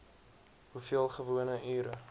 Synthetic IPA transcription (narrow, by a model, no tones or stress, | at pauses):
hufiəlˠχəvuənəʔyːɾə